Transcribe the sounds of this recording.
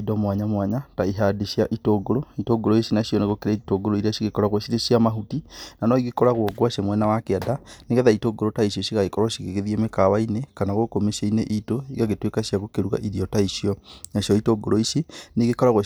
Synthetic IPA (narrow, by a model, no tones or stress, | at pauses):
idɔmwaɲamwaɲataiɦadiʃjaʔitoːɡoɾoitoːɡoɾoisinaʃiɔneɣokeɾetoɡoɾoiɾaʃiɣekɔɾaɣoʃiɾeʃiamaɦutinanɔiɣekɔɾaɣɔɡwaʃemwɛnawakeadaneɣɛðaitoɡoɾotaiʃɔʃiɣaɣekɔɾwaʃiɣeɣeðiemekawainekanaɣokomeʃeineʔitoiɣaɣetwekaɕiaɣokeɾuɣa̰ʔiɾiɔtaiʃjɔnaʃjɔitoɡoɾoisineɣekɔɾaɣwo